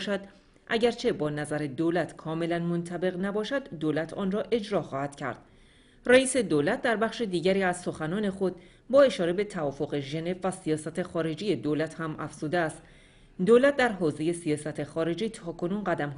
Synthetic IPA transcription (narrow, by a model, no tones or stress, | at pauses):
ʃæd̪ | ʔæ̰ɟæɾt͡ʃʰe̞bɒːnæzæɾed̪oːlæt̪ʰkʰɒːme̞lænmont̪ʰæbe̞ɣnæbɒːʃæd̪ːoːlæt̪ʰɒ̰ːnrɒːʔe̞d͡ʒɾɒːxɒːhæd̪cʰæ̰ɾd̪̥̚ | ræiːse̞d̪oːlæt̪̚ʰd̪æɾbæχʃed̪iːɟæɾiːæz̥so̞xænɒːne̞xo̞d̪̚ | bɒːe̞ʃɒːɾe̞be̞t̪ʰævɒːfo̞ɣeʒe̞ne̞vːæsijɒːsæt̪ʰe̞xɒːɾe̞d͡ʒiːje̞d̪oːlæt̪ʰhæmʔæ̰fz̥uːd̪eæst̪ | d̪oːlæt̪̚ʰd̪æɾɦoːze̞je̞sijɒːsæt̪ʰe̞xɒːɾe̞d͡ʒiːt̪ʰɒːkʰo̞nuːnɢæd̪æmɦ